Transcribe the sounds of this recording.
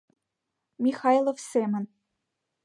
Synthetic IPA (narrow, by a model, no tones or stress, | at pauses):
mʲixɑjlˠofsemɘ̆n